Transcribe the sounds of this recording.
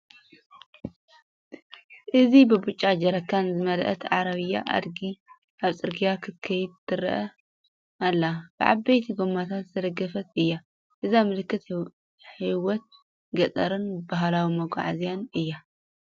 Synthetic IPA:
ʔɨzibɨbut͡ʃʼːad͡ʒɐɾɐkʰːanzɨmɐlʔɐ̰t̪ʰʕaɾɐβɨjːa̰ʔa̰d̪ɡi | ʔaβsʼɨɾɡijakʰɨt̪kʰɐjɪd̪̚t̪ʰɨɾʔɐ | ʔalːab̥ɨʕa̰bɐjt̪ʰiɡomːat̪ʰat̪zɐd̪ɐɡːɐfɐt̪ɨjːa | ʔɨzamɨlɨkːɨt̪ | ħiwɔt̪̚ | ɡɐt͡s̪ʼɐɾɨnbaɦlawimɐɡʷa̰ʕazijanɨjːa

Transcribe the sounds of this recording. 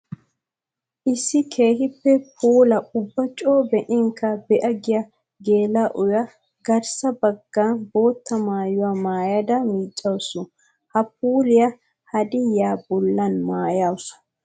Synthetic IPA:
ʔɪsːɪkʰe̞ːhɪpːɛpʰuːlɐʊbːɐt͡ʃʼoːbɛʔɪŋkːɐbɛʔɐɡɪjɐ | ɡe̞ːlaʔʊjɐ | ɡɐɾsɐbɐɡːaːnbo̞ːt̪ːɐmaːjʊwaːmaːjɐd̪ɐmiːt͡ʃʼːɐwsʊ | hɐp̚uːlɪja | hɐd̪ɪjaːbɔlːɐnmaːjawsʊ̥

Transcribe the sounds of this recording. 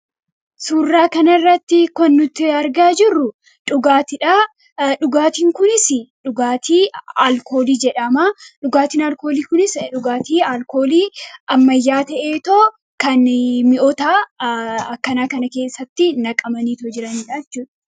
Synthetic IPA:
suːrːaːkɐnɐrːɐt̪ːɪkɔnːʊt̪ːɪɐɾɡaːd͡ʒɪrːʊ | ᶑʊɡaːt̪ɪᶑa | ᶑʊɡaːt̪iːŋkʊnɪsɪᶑʊɡaːt̪iːaːlko̞ːliːd͡ʒɛᶑɐmaːᶑʊɡaːt̪iːnɐlko̞ːliːkʊnɪsᶑʊɡaːt̪iːalko̞ːliːʔɐmːɐjːaːt̪ɐʔeːt̪oː | kɐnmɪʔɔt̪aː | ɐkːɐnaːkɐnɐke̞ːsːɐt̪ːɪnɐkʼɐmɐniːt̪ɔd͡ʒɪɾɐnᶑaɛt͡ʃːuːᶑɐ̥

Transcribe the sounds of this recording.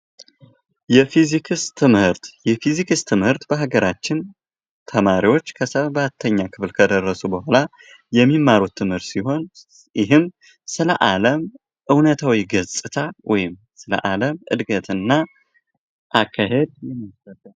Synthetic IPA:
jɛfizikʰɨst̪ʰɨmhɨɾt̪jɛfizikɨst̪ʰɨmhɨɾt̪bəɦaɡəɾat͡ʃːɪn | t̪ʰəmaɾiwo̞t͡ʃːkʰəsəβat̪ʰːəɲːakʰɨflkʰəd̪ərːəsubəhala | jɛmːimːaɾut̪ʰːɨmhɨɾt̪siɦo̞n | ɪɦɨm | sɨləʔaləm | ʔɨwnət̪ʰawiɡəzʼɨt̪ʰawʔɔ̰jɪm | sɨlə̰ʔaləmʔɨ̰d̪ɡət̪ɨnːa | ʔakʰːaɦe̞d̪̚jɛmːəsəlːəm

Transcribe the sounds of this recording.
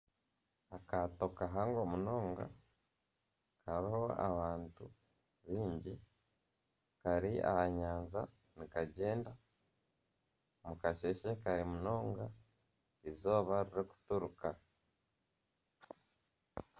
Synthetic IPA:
akato̞kaɦaŋɡo̞muno̞ːŋɡa̰ | kaɾiho̞a̰βaːntu | βiːɲɟi | kaɾia̰haɲaːnza | nikaɟe̞ːnda | mukaʃe̞ʃekaɾimuno̞ːŋɡa | izo̞ːβaɾiɾeku̥tuɾuka

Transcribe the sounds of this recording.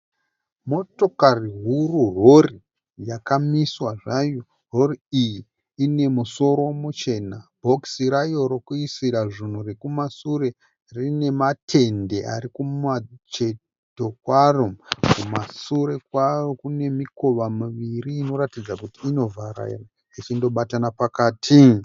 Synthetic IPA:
mo̞to̞kariɦururo̞ri | jakamiswaʐajo | ro̞riijiː | ne̞muso̞ɾo̞mut͡ʃe̞nabʱo̞ksiɾajo̞ɾokuisiɾaʐin̤urekumasure̞ | rine̞matʰe̞nde̞ʔa̰ɾikumat͡ʃe̞ | to̞kwarokumasuɾe̞kwarokune̞miko̞ʋamuʋiriːno̞ɾatid͡zakutiːno̞vaɾa̰ḭre | it͡ʃindo̞ɓatanapakaːtʰi

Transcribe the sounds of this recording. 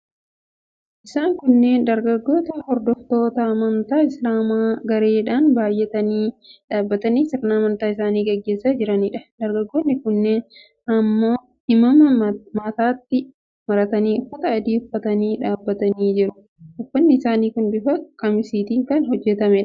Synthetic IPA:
ʔɪsaːŋkʊnːend̪ɐɾɡɐɡːo̞ːt̪ɐhɔɾd̪ɔft̪o̞ːt̪ɐɐmɐnt̪aːɪslaːmaːɡɐɾeːᶑaːnbaːjːɛt̪ɐniːᶑaːbːɐt̪ɐniːsɪɾnaːmɐnt̪aːɪsaːniːɡɐɡːe̞ːsːad͡ʒɪɾɐniᶑɐ̥d̪ɐɾɡɐɡːoːnːɪkʊnːeːn | ʔɐmːoː | ɪmɐmɐmɐt̪aːt̪ːɪ | mɐɾɐt̪ɐniːʊfːɐt̪ɐːd̪iːhʊfːɐt̪ɐniːᶑaːbːɐt̪ɐniːd͡ʒɪɾʊ | ʊfːɐnːɪɪsaːniːkʊnbɪfɐkʼɐmɪsiːt̪iːŋkɐnhɔd͡ʒːɛt̪ɐmɛᶑɐ

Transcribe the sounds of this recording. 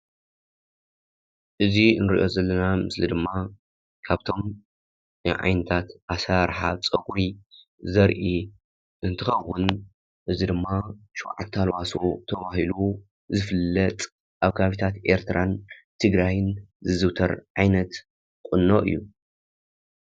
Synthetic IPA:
ʔɨzinɨɾḭʔo̞zɐlːɐnamɨslid̪ɨmːa | kʰaβt̪ʰo̞m | ɨʕa̰jnɐt̪ʰat̪ʔasaɾħat͡sʼɐɡɾi | zɐɾʔi | ʔɨnt̪ʰɨxɐwːʊn | ʔɨzid̪ɨmːaʃuwʕa̰t̪ʰːalwaso̰t̪ʰɐβahilu | zɨfɨlːɐt̪ʼ | ʔaβkʰaβit̪ʰat̪ʔe̞̰ɾt̪ʰɾant̪ʰɨɡɾajɨnzɨzɨwt̪ʰɐɾʕajnɐt̪ | kʼʊnːoʔɨ̰jːu

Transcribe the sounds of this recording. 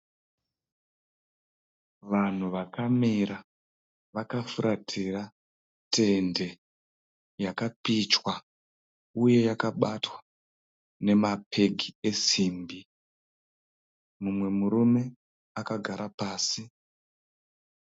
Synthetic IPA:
ʋan̤uʋakamiɾa | ʋakafuɾʔatʰira | tʰe̞nde̞ | jakapit͡ʃwa | uje̞jakaɓatwḁ | ne̞mapʰe̞ɡʱie̞siːmbi | mumwe̞muɾume̞ | akaɡʱaɾapaːsi

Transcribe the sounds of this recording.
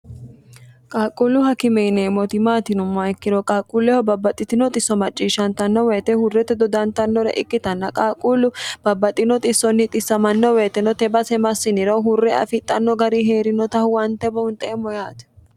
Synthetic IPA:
kʼaːkʼulːʊhɐkɪmɛnemɔt̪ɪmaːt̪ɪnʊmːɐkːɪɾɔkʼaːkʼːuːlːɛhɔbɐbːɐt̪ʼɪt̪ɪnɔt̪ʼɪsːɔmɐt͡ʃʼːiːʃɐnt̪ɐnːɔwɛːt̪ɛhʊrːɛt̪ɛd̪ɔd̪ɐnt̪ɐnːɔɾɛ̰ʔɪkːɪt̪ɐnːɐkʼaːkʼuːlːʊb̥ɐbːɐt̪ʼːɪnɔt̪ʼɪsːɔnːɪt̪ʼɪsːɐmɐnːɔweːt̪ɛnɔt̪ɛbɐsɛmɐsːɪnɪɾɐwhʊrːɛɐ̰fɪt̪ʼːɐnːɔɡɐɾiɦeːɾɪnɔt̪ɐhʊwɐnt̪ɛbɐʊnt̪ʼɛɛmːɔjaːt̪ɛ̥

